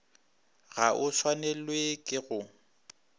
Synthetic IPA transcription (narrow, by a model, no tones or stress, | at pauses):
ɣaʔʊswanɛlwekʼɪɣʊ